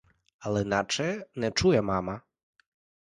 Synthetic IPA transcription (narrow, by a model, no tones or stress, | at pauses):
ɐlˠɛinat͡ʂɛnɛt͡ʂujɛmamɐ